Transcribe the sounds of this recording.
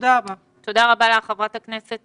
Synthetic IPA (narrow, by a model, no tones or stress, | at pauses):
d̪aba | t̪od̪aʁabaleaχavʁatakne̞set